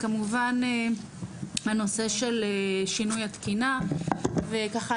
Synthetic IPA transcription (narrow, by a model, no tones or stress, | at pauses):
kamuvane | hano̞se̞ʃe̞leʃinujat̪kina | vekaχa